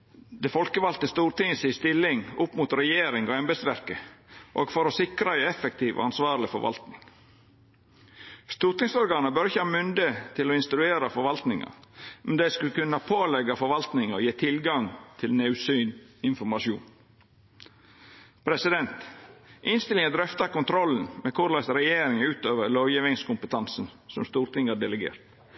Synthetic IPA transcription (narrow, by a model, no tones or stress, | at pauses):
d̪ɛfɔlkəʋɑlt̪əst̪uːɾt̪ɪŋəsɪst̪ɪlɪŋʊpːmʊt̪ɾɛjeːɾɪŋɔɛmbɛd̪sʋæɾkəʔoːɡfɔɾɔsɪkɾɑæɪɛfɛk̚t̪ʰiːʋʔo̰ɑnsʋɑːɾlɪfɔɾʋɑ̰lt̪nɪŋ | st̪uːɾt̪ɪŋsɔɾɡɑːnəbœɾɪçəhɑːmʏnd̪ət̪ʰɪlɔɪnst̪ɾʉeːɾɑfɔɾʋɑlt̪nɪŋɑ̰ɾmɛnd̪æɪskʉkʉnːɑpʰoːlɛɡɑfɔɾʋɑlt̪nɪŋɔjeːt̪ʰɪlɡɑŋt̪ʰɪlneʉsyːnɪnfɔɾmɑʃṵːn | pʰɾɛsɪd̪ɛnt̪ʔɪnst̪ɪlɪŋənd̪ɾœft̪ɑkʊnt̪ʰɾɔlːən̩mɛkʰʊɾlɑsɾɛjeːɾɪŋʉːt̪øːʋəɾloːjiːʋɪŋskʊmpət̪ʰɑnsn̩sɔmst̪uːɾt̪ɪŋɑdɛləɡḛːɾt̪